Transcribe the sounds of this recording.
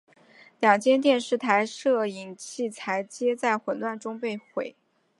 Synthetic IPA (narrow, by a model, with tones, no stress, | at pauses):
ljɑ˨˩ŋt͡ɕjɛ˥nt̪̬jɛ˥˧nʂɻ̩˥˩t̪ʰa˧˥ɪʂɤ˥˩i˨˩ŋt͡ɕʰi˥˩t͡sʰa˧˥ɪt͡ɕjɛ˥t͡sa˥˩ɪxwə˨˩nlwa˥˩nʈ͡ʂʊ˥ŋpe˥˩ɪxwe˨˩˦ɪ